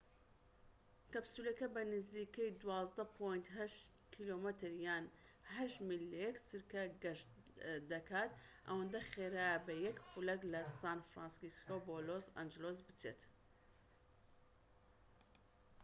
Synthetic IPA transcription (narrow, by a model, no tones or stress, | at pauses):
kɐbsuːlɐkɐbɐnɨziːkɐjd̪wɑːzd̪ɐpʰojnt̪ɦɐʃ | kʰilomɛt̪ʰɨɾjaːn | ɦɐʃmilːejɛksɨɾkɐɡɐʃ | d̪ɐkʰaːt̪ | ʔɐ̰wɐnd̪ɐxeːɾaːjɐbɐjɛkxulɐklɐsaːnfɾaːnsiskoboːloza̰nd͡ʒɪloːz̬bɨt͡seːt̪